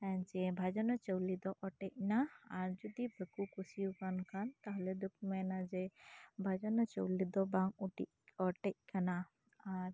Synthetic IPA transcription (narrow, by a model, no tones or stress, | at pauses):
ɛɲd͡ʒɛbʱad͡ʒɔnɔt͡ʃəwlid̪ɔʔɔʈɛc̚naaɾd͡ʒɔd̪ibəkukusiukankant̪aɦlɛd̪ukmanad͡ʒɛbʱad͡ʒɔnɔt͡ʃəwlid̪ɔbaŋuʈḭʔ̚ɔʈɛc̚kana | aɾ